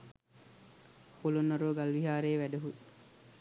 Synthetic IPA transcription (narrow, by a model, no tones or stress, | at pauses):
kulonːɐɾuːɡalʋiɦaːɾeːʋæɖɐɦui